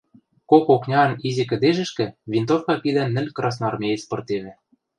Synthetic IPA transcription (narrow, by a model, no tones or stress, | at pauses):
kokoknʲɑɤ̆nizikɘ̆d̪eʒɘ̆ʃkɘ̆vʲint̪ofkɑpid̪ænːɘ̆lʲkrɑs̬nɑrmʲeespŏrt̪eβɘ̆